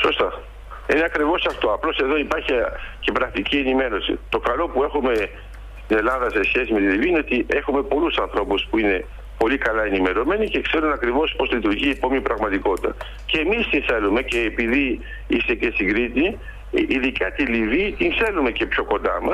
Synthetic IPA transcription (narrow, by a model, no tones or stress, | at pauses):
so̞st̪ɐ | ineɐkɾivo̞sɐft̪o̞ɐplo̞se̞ðo̞ipɐɾçice̞pɾɐkt̪icie̞nime̞ɾo̞sḭt̪o̞kɐlo̞pue̞xume̞ | st̪ine̞lɐðɐse̞sçe̞sime̞t̪iliviːineo̞t̪iʔe̞xume̞po̞lusɐnθɾo̞puspuine̞ | po̞likɐlɐe̞nime̞ɾome̞nice̞kse̞ɾunɐkɾivo̞spo̞slit̪uɾʝipo̞mnipɾɐɣmɐt̪iko̞t̪it̪ɐ̰ | ceːmist̪inθe̞lume̞ce̞ːpiði | ist̪e̞ce̞st̪iŋɡɾit̪i | ʔiðikɐt̪iliviːt̪inθe̞lume̞ce̞pço̞ko̞nd̪ɐ̰mɐs